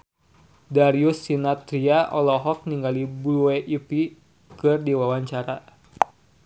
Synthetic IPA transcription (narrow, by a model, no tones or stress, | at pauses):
daɾiusːinat̪ɾiaʔɔlɔɦɔk̚niŋɡalibulueʔipi | kɨrdiwawaɲt͡ʃaɾa